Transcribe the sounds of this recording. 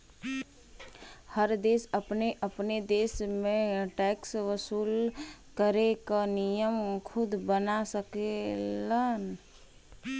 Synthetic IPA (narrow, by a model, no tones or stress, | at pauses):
həɾd̪esəpneʔəpned̪esmeʈɛksʋəsuːlkəɾekənijəmkʰud̪bənasəkelən